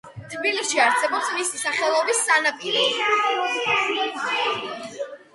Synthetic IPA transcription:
t̪ʰbiliʃiaɾsɛbɔpsmisisaχɛlˠɔbisːanapʼiɾi

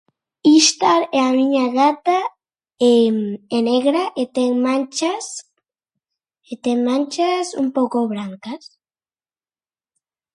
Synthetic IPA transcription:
iʃt̪aɾeamiɲaɣat̪a | emeneɣɾaʔet̪eŋmãnt͡ʃas | et̪eŋmãnt͡ʃasṵmpokoβɾaŋkas

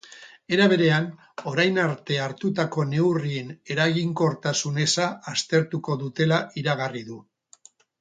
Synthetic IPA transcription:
e̞ɾaβ̞e̞ɾe̞an | o̞ɾajnaɾt̪e̞aɾt̪ut̪ako̞ne̞wriene̞ɾaɣiŋko̞ɾt̪asune̞saːst̪e̞ɾt̪uko̞ðut̪e̞laʔiɾaɣ̞ariðu

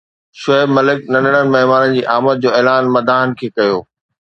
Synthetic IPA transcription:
ʃɐɦɪbmɐlɪknɐ̃nəɽ̃ənɪ̆mɐɦmaːnənɪ̆d͡ʑiːʔaːmət̪̚d͡ʑoːɛːlaːnmɐd̪ʱaːɦənɪ̆kʰeːkɐjoː

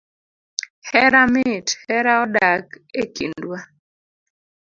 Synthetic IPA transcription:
hɛɾamɪthɛɾaɔdakekindwa

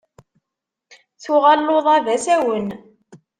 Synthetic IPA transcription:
θʊʁælːoðˤævæsæwən

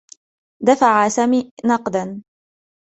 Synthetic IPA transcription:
d̪afaʕasamiːnɑqd̪an

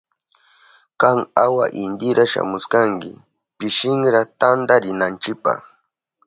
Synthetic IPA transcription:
kaŋawa̰ʔɪnd̪ɪɾaʃa̰mʊskaŋkɪ̰ | pɪʃɪŋɾat̪and̪aɾɪnant͡ʃɪpa̰χ

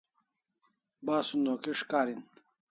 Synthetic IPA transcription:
baːsund̪oːkiʂkaːɾin

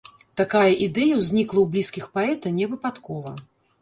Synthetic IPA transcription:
t̪akajɐʔid̪ɛjɐwzʲnʲiklˠɐwblʲiskʲixpaɛt̪ɐnʲɛvɨpat̪kɔvɐ

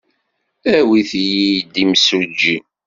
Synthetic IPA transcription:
æwiθjid̪imsud͡ʒi

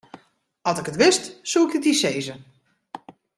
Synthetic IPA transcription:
ɑlˠsɪkətʋɪstsuɪkətdiseːzə

